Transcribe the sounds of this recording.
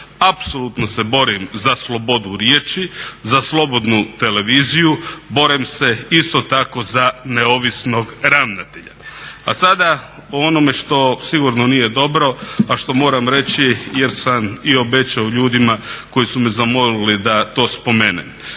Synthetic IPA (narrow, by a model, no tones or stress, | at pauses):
apso̞lut̪nose̞bo̞ɾimzaslˠo̞bo̞d̪uɾjeːt͡ʃizaslˠo̞bo̞d̪nut̪e̞le̞ʋiːzijubo̞ɾimse̞ist̪o̞t̪ako̞zaneo̞ʋisno̞ɡɾaʋnat̪eʎa̰a̰sad̪a | oo̞no̞me̞ʃt̪o̞siɡuɾno̞nije̞d̪o̞bɾo̞aʃt̪o̞mo̞ːɾamɾe̞t͡ɕije̞ɾsamio̞be̞t͡ʃaoʎuːd̪imako̞jisumezamo̞lilid̪at̪o̞ːspo̞meːnḛ